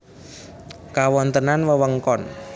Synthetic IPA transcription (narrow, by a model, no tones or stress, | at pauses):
kawɔnt̪ənanwəwəŋkɔn